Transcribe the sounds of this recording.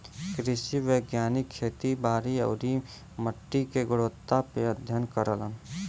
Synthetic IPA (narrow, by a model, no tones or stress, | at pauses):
kɾɪʃiʋeːɡjaːnɪkʰːeːt̪ibaːɾiə̰ːɾi | məʈːikeɡʊɽoːt̪ːapeəd̪ʱjənkəɾələn